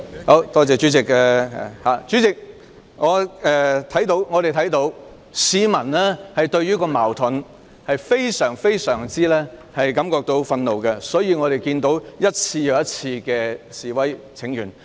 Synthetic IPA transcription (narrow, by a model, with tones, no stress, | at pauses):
ho˨˧˥wt̪ɔː˥t͡sɛː˨˧t͡ʃyː˨˥t͡sɪ˨k̚ɛ˧˨haː˨˩t͡ʃyː˨˥t͡sɪ˨k̚ | ŋɔː˨˧ɛː˧t̪ʰɐ˨˥jt̪o˨˥wŋɔː˨˧ɾe˨jt̪ʰɐ˨˥jt̪o˨˥w | siː˨˧mɐ˨˩nlɛ˥hɐ˨jt̪ɵ˧ɥɥyː˥kɔː˧maː˨˩wt̪ʰʊ˨˥n | hɐ˨jfe˥jsœː˨˩ŋfe˥jsœː˨˩ŋt͡siː˥lɛː˥hɐ˨jkɐ˨˥mkɔː˧k̚t̪o˧wfɐ˧nlo˨wkɛ˧sɔː˨˥jiː˨˧ŋɔː˨˧ɾe˨jkiː˧nt̪o˨˥wjɐ˥t̚t͡sʰiː˧jɐ˨˧wjɐ˥t̚t͡sʰiː˧kɛː˧siː˨wɐ˨˥j | t͡sʰɪ˨˥ŋjyː˨˩n